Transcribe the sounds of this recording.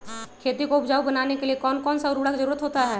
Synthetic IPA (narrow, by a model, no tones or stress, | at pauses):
kʰeːt̪ikoʊpd͡ʒaːubɐnaːnekeliekɔːnkɔːnsaʊɾuːɽakizɐɾuːɾət̪ɦoːt̪aɦɛː